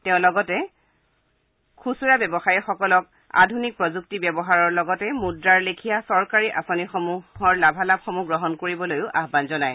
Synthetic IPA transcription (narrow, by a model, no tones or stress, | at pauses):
tɛʊ̃lɔɡɔtɛ | kʰusuɹabjɛbɔxajixɔkɔlɔk̚ | a̰dʱunik̚pɹɔzuk̚tibjɛbɔɦaɹɔɹlɔɡɔtɛmudɹaɹlekʰijasɔɹkaɹiʔasonixɔmuhɔɹlabʱalabxɔmuɡɹɔɦɔnkoɹibɔlojʊʔaɦbanzɔnaj